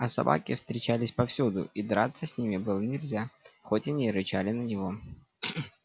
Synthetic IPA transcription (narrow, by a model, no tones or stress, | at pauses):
ɐsɐ̰ba̰kʲɪfst̪ɾʲɪt͡ɕalʲɪsʲpɐfsʲud̪ʊ̰id̪ɾat̪səsʲnʲimʲɪbɨlˠənʲɪlʲzʲaxotʲanʲiɾɨt͡ɕalʲɪnənʲɪvo